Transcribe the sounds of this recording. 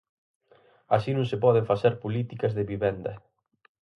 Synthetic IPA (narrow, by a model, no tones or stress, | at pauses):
aʃinũŋsepɔðeɱfasθeɾpolit̪ikɐzðeβiβɛnd̪ɐ